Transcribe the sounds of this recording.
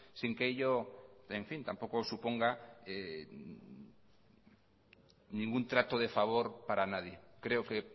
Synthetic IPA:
siŋkejʎoẽɱfĩnt̪ampowkosupoŋɡae | nĩŋɡunt̪ɾat̪oð̞efaβ̞oɾpaɾanaðjekɾeoke

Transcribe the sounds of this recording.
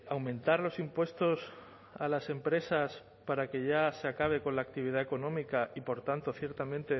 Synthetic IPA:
awmẽ̞nt̪aɾlo̞simpwe̞st̪o̞s | alase̞mpɾe̞sas | paɾake̞ʝaseakaβ̞e̞ko̞nlaːk̚t̪iβ̞iðae̞konõ̞mikaʔipo̞ɾt̪ant̪o̞θje̞ɾt̪amẽ̞nt̪e̞

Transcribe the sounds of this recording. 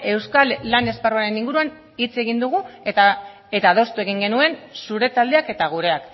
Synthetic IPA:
e̞wskalːane̞sparuaɾe̞niŋɡuɾuan | it͡seɣ̞ind̪uɣ̞u | e̞t̪aːð̞o̞st̪ue̞ɣ̞iŋɡe̞nue̞nsuɾe̞t̪ald̪e̞ake̞t̪aɣ̞uɾe̞ak

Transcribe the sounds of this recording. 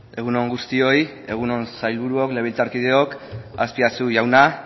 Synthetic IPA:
e̞ɣ̞uno̞ŋɡust̪io̞j | e̞ɣ̞uno̞nsajlβuɾuo̞kle̞β̞elt͡saɾkið̞e̞o̞kaspiasuʝawna

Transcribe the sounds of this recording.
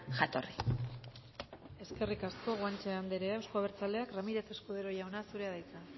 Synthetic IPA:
ʝat̪o̞̰ri | e̞ske̞rikasko̞ɣwant͡ʃeand̪eɾeawsko̞aβ̞e̞ɾt͡sale̞akramiɾe̞se̞skuð̞eɾo̞ʝawnasuɾe̞aðajt͡sa

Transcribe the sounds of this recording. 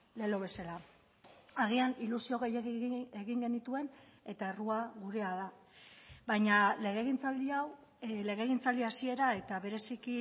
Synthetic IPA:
le̞lo̞β̞esala | aɣ̞ianilusio̞ɣejeɣiŋɡe̞nit̪ue̞ne̞t̪ae̞ruaɣuɾe̞aða | bajɲale̞ɣ̞e̞ɣ̞int͡sald̪iaw | le̞ɣe̞ɣ̞int͡sald̪iasie̞ɾae̞t̪aβe̞ɾe̞siki

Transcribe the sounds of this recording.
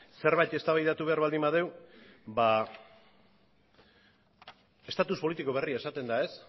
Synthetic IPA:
se̞ɾβajt̪e̞st̪aβajðat̪uβe̞aɾβald̪imbaðe̞wba | e̞st̪at̪uspo̞lit̪iko̞β̞e̞riae̞sat̪e̞nd̪ae̞s

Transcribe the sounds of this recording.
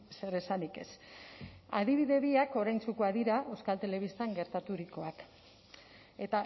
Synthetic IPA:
se̞ɾe̞sanike̞̰s | a̰ðiβ̞iðe̞βiako̞ɾajnt͡sukoaðiɾaʔe̞wskalt̪e̞le̞β̞ist̪aŋɡe̞ɾt̪at̪uɾiko̞ak | e̞t̪a

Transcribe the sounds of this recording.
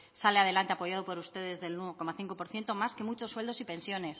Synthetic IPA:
saleað̞e̞lant̪e̞apo̞ʝað̞o̞po̞ɾust̪e̞ðe̞zðe̞lnweoko̞maθiŋko̞po̞ɾθje̞nt̪omaske̞mut͡ʃo̞sːwe̞ld̪o̞sipe̞nsjo̞ne̞s

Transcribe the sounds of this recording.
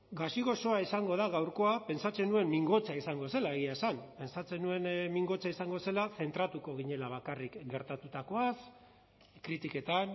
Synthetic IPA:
ɡasiɣo̞so̞aisaŋɡo̞ð̞aɣ̞awɾko̞ape̞nsat͡se̞nue̞mmiŋɡo̞t͡saisaŋɡo̞se̞lae̞ɣiaesanpe̞nsat͡se̞nue̞nmiŋɡo̞t͡saisaŋɡo̞se̞laθe̞nt̪ɾat̪uko̞ɣ̞iɲe̞laβ̞akarikɡe̞ɾt̪at̪ut̪ako̞as | kɾit̪ike̞t̪an

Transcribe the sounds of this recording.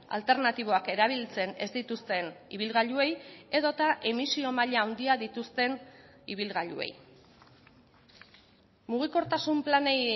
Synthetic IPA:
a̰lt̪e̞ɾnat̪iβ̞o̞ake̞ɾaβ̞ilt͡se̞ne̞zd̪it̪ust̪e̞niβ̞ilɣaʎue̞je̞ðo̞t̪aʔe̞misio̞maʎaːwnd̪iaðit̪ust̪e̞n | iβ̞ilɣaʎṵe̞̰j | muɣ̞iko̞ɾt̪asumplane̞j

